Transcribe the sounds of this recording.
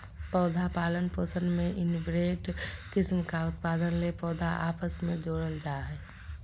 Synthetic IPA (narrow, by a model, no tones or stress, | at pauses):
pɔːd̪ʱapaːlənpəsə̃nd̪mẽʔɪnbɾeːʈkɪsmkaʊt̪paːd̪ənlepɔːd̪ʱa̰ʔaːpəsmẽd͡ʒoːɽəld͡ʒaːɦɛː